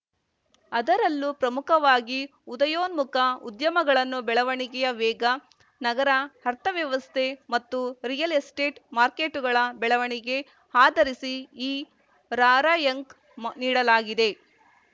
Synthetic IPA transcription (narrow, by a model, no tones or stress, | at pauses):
ɐd̪ɐɾɐlːupɾɐmukʰɐʋaːɡiud̪ɐjoːnmukɐud̪jɐmɐɡɐɭɐnːubɛɭɐʋɐɳiɡɛjɐʋɛːɡɐ | nɐɡɐɾɐhɐɾt̪ʰɐʋjɐʋɐst̪ʰe̞mɐt̪ːuɾijɐlesʈe̞ːʈmaːɾkeːʈuɡɐɭɐbɛɭɐʋɐɳiɡe̞ | haːd̪ɐɾisiiː | ɾaːɾaːjɐŋk | niːɽɐlaːɡid̪e̞